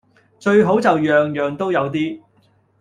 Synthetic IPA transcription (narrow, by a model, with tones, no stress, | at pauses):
t͡ʃɵ˧ɥɦo˨˥wt͡sɐ˨wjœː˨ŋjœː˨ŋt̪o˥wjɐ˨˧wt̪iː˥